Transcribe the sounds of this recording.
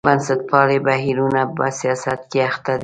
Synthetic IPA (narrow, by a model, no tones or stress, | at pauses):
bansɪt̪̚pɑlebaɦiɾunapa̰sijɑsat̪keaxt̪ad̪